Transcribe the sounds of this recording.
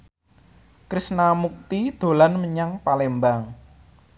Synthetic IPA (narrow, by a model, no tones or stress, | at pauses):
kɾisnamuk̚t̪id̪̥o̤lanməɲaŋpalembaŋ